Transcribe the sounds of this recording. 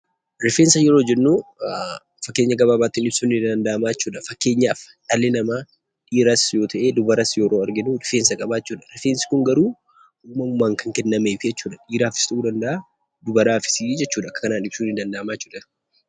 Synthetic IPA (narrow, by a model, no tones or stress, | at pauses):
ɾɪfeːnsɐjɛɾoːd͡ʒɛnːuː | fɐkːeːɲːɐɡɐbaːbaːt̪ːɪnɪb̥suːnɪd̪ɐnd̪ɐʔɐmaːt͡ʃːuːᶑɐfɐkːe̞ːɲːaːfᶑʼɐlːenɐmaː | ᶑiːɾaːsjo̞ːt̪ɐʔe̞ːd̪ʊbɐɾasjoːɾoːɐɾɡɪnuːɾɪfeːnsɐkʼɐbaːt͡ʃːuːᶑɐ̥ɾɪfeːnsɪ̥kʊŋɡɐɾuː | uːmɐmʊmːaːŋkɐŋkɛnːɐmeːfɪd͡ʒɛt͡ʃːuːᶑɐᶑiːɾaːfɪst̪ɐʔuːd̪ɐnd̪ɐʔaː | d̪ʊbɐɾaːfɪ̥sd͡ʒɛt͡ʃːuːdᶑɐkːɐ̥kɐnaːnɪb̥suːnɪd̪ɐnd̪ɐʔɐmaːjt͡ʃːuːᶑɐ̥